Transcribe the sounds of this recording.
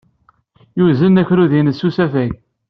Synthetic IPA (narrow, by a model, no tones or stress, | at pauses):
juzənːæçɾuðinəsːusæfæʝ